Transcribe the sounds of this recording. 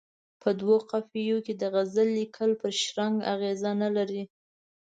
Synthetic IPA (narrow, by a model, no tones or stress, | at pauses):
pʰəd̪woqafijoked̪əɣazəlːikʰəlpəɾʃɾaŋɡa̰ɣezanalaɾi